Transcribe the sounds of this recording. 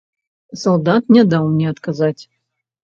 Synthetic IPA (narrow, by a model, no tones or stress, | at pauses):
sɐlˠd̪at̪nʲɛd̪alˠnʲɛɐt̪kazatʲ